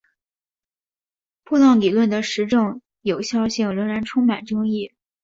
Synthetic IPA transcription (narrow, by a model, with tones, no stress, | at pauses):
pʰu˥˧lɑ˥˩ŋli˨˩lwə˥˩nd̪ə˩ʂɻ̩˧˥ʈ͡ʂɤ˥˩ŋ | jo˨˩ʊɕjɑ˥˧ʊɕi˥˩ŋɻɤ˧˥ŋɻa˧˥nʈ͡ʂʰʊ˥ŋma˨˩nʈ͡ʂɤ˥ŋi˥˩